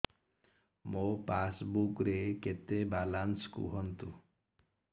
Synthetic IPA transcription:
mopasbukɾeket̪ebalanskṵɦɔnt̪u

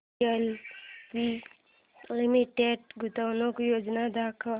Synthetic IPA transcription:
əlpi | limiʈeɖɡut̪awnõkojoːd͡ʒnad̪ʱaːkʰ

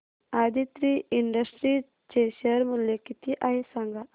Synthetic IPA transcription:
ad̪it̪ɾiiɳɖəsʈɾi | t͡ʃeɕəɾmuljekit̪iʔaɦesaŋɡa

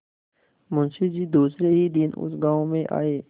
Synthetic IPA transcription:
mʊ̃nʃid͡ʒiːd̪uːsɾeɦid̪ɪnʊ̰sɡãːõmẽʔa̰ːeː

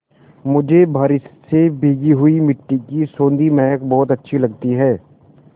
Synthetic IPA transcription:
mʊd͡ʒʱebʱɐːɾɪssebʱiːɡiɦʊimɪʈːikisõːnd̪imɛːəkbɔːt̪ɐtːʃʰilɐɡ̚t̪iɦɛː

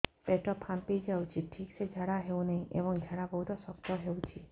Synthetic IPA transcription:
peʈɔpʰampid͡ʒawt͡ʃʰiʈʰiksed͡ʒʱaɽaɦeuw̃neĩʔebɔŋd͡ʒʱaɽabɔɦut̪ɔsɔkt̪ɔɦewt͡ʃʰi

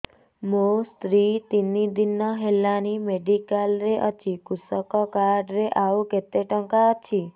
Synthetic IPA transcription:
most̪ɾit̪inid̪inːɔɦelːanimeɖikalɾeʔɔt͡ʃʰikusɔkɔkaɾɖɾeʔauket̪eʈɔŋkaɔt͡ʃʰi

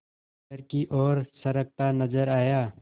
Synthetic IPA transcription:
əɾkiʔɔːɾsɐɾəɡ̚t̪anəzəɾaːjaː

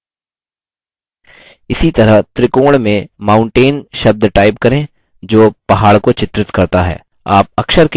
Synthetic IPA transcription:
ɪsit̪ɐɾəɦt̪ɾɪkoːɽmẽmãːʊ̃ɳʈeːnʃɐb̚d̪ʱʈaːɪpkɐɾẽː | d͡ʒoːpɐɦaːɭkot͡ʃɪt̪ɾɪt̪kɐɾt̪aɦɛ̰ː | aːp̚ɐkʃəɾk

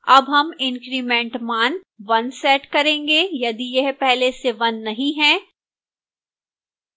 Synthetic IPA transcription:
ɐbɦɐmɪ̃ŋkɾimẽːɳʈmaːn | ʋɐnsɛːʈkɐɾẽːŋɡeːjɐd̪ijɛɦpɛɦleseʋɐnːɐɦĩɦɛ̃ː

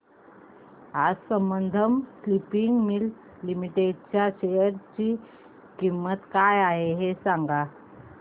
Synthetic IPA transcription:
ad͡zsəmbənd̪ʱəmslipiŋɡmil | limiʈeɖ̚t͡ɕjaɕejəɾt͡ɕi | kimːət̪kajaɦeɦesaŋɡa

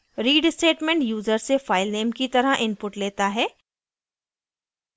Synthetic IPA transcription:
ɾiːɖsʈeːʈmẽɳʈjuːzəɾsefaːɪlneːmkit̪ɐɾəɦʔɪ̃npʊʈleːt̪aɦɛː

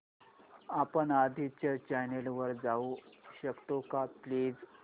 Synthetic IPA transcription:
apənad̪ʱit͡ɕat͡ɕajnelʋəɾd͡zauɕəkt̪okapliːd͡z

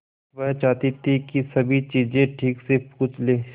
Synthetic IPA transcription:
ʋɐɦt͡ʃaːt̪it̪ʰikisɐbʱit͡ʃiːzẽʈʰiːksepuːt͡ʃleː

